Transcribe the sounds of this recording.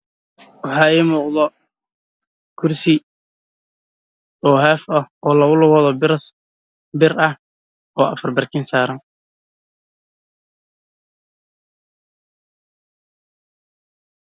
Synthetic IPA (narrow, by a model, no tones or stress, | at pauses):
wɑħɑːɛːmuːqd̪ɔ | kʰʊrsɪ | ɔːɦaːfɐhɔːlɐɣʊlʊɣɐðɔ | bɪrɐh | ɔːʔɐfɐrbɐrkʰɪːnsaːɾɐn